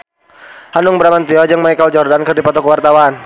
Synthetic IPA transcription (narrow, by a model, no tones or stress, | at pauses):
hanʊŋbəɾamant̪iɔd͡ʒɨŋmaikəld͡ʒɔrdankɨrdipɔt̪ɔkwart̪awan